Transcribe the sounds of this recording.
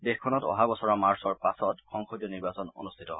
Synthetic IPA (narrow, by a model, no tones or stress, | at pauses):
dexkʰːɔnɔtɔ̰ɦabɔsɔɹamaɹsɔɹpasɔtxɔŋxodjɔniɹbasɔno̰nustʰitɔ̰